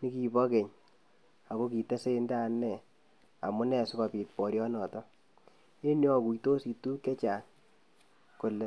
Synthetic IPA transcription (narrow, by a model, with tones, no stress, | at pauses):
ni˦ki˨bɔ˦ke˨ɲ | a˨ko˦ki˨te˦se˦nda˦nːɛ˨ | a̰˨mu˦nɛ˦˨sɪ˦kɔ˨piː˨t̚pɔ˨ɾjɔ˦nɔ˨tɔ˦ | e˦njɔ˦˨ku˨i˨to˦si˨tu˦kɛ˦t͡ʃa˨ŋ | ko˨lɛ˨